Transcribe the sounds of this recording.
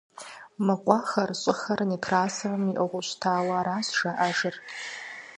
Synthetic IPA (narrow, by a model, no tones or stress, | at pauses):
mɨqʷʼaχɐrɕʼɪχɐrnikʰraːsɐrmiʔɐʁʷʊɕʷtʰaːwaɾaːsʒaʔaʒɨr